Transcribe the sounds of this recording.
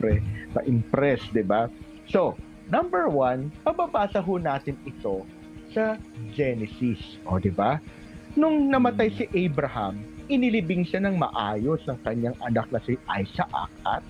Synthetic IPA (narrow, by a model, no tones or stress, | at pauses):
ɛpɐ̰ʔɪmpɾɛsd̪ɪba | so̞ | nɐmbɛɹwanpɐbabaːsɐɦonaːt̪ɪnɪt̪o̞ | sɐd͡ʒɛnɛsis | ʔod̪ɪba | nʊŋnɐmɐt̪ajsɪʔɛjbɾɐhɐmʔɪnɪlɪbɪŋʃanɐŋmɐ̰ʔaːjo̞snɐŋkɐɲːaŋʔɐnak̚nɐsɪʔajsɐʔa̰k̚ʔɐ̰t̪̚